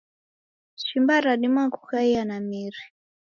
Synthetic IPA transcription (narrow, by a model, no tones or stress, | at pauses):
ʃimbaɾaɗimakukaianamiɾi